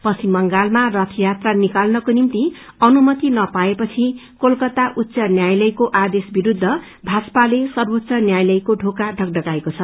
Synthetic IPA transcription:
pʌsimːʌŋɡalmarʌt̪ʰʌjat̪ranikalnʌkonimt̪i | ʌnumʌt̪inʌpaepʌt͡sʰikolkʌt̪aʔutːsʌnjajlʌjkoʔad̪esbiɾud̪ʱːʌ | bʱaspalesʌrbot̪ːsʌnjajlʌjkoɖʱokaɖʱʌɡ̚ɖʌkaekot͡sʰʌ

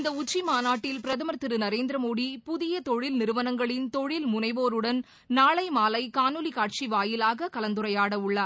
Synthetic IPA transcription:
ɪnd̪ɐʊt͡ʃːimaːnaːʈːɪlpɪɾɐðɐmɐɾt̪ːɪɾɯnɐɾeːnd̪ɪɾɐmoːɽipʊðɪjɐt̪ɔɻɪlnɪɾɯʋɐnɐŋɡɐɭɪnt̪ɔɻɪlmʊnɐɪʋoːɾɯɽɐn | naːɭɐɪmaːlɐɪkaːnɯlikaːʈ̚t͡ʃiʋaːjɪlaːɣɐkɐlɐnd̪ɯɾɐjaːɽɐʊɭːɐ

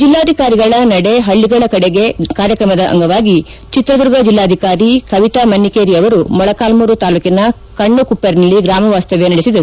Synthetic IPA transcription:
d͡ʒilːaːd̪ʱikaːɾiɡɐɭɐnɐɽe̞ɦɐɭːiɡɐɭɐkɐɽeɡe̞kaːɾjɐkɾɐmɐd̪ɐʔɐ̰ŋɡɐʋaːɡi | t͡ʃit̪ɾɐd̪uɾɡɐd͡ʒilːaːd̪ʱikaːɾikɐʋit̪ɐmɐnːikeːɾiɐʋɐɾumɔɭɐkaːlmuɾut̪aːluːkinɐ | kɐɳːukupːɐɾnɐlːiɡɾaːmɐʋaːst̪ɐʋjenɐɽisid̪ɐɾu

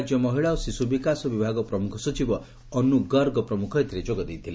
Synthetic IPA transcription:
d͡ʒjɔmɔɦiɭaosisubikasɔbibʱaɡɔpɾɔmukʰɔsɔt͡ʃibɔ | ɔnːuɡʌɾɡɔpɾɔmukʰɔɦet̪ɾed͡ʒoɡɔd̪ejt̪ʰile

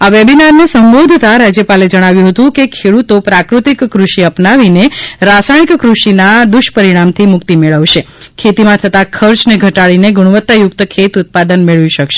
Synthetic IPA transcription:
aʋebinaɾnesəmbod̪ʱt̪aɾad͡ʒjəpaled͡ʒəɽ̃aʋjũɦət̪ũkekʰeɽut̪opɾakɾut̪ikːɾuʃiəpnaʋineɾasaɽ̃ikːɾuʃinad̪ʊʃpəɾiɽ̃amt̪ʰimʊkt̪imeɭəʋʃe | kʰet̪imãt̪ʰət̪akʰəɾt͡ʃneɡʱəʈaɭineɡuɽ̃ʋət̪ːajʊk̚t̪əkʰet̪ʊt̪̚pad̪ənmeɭʋiʃəkʃe̥

